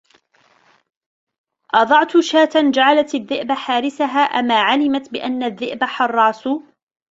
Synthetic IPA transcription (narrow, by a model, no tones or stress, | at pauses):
ʔɑd̪ˤɑʕt̪ʊʃaːt̪and͡ʒaʕalat̪aðːɪʔbaħaːɾɪsaɦaːʔamaːʕalɪmat̪bɪʔanːaðːɪʔbaħɑrˤːɑːsʊ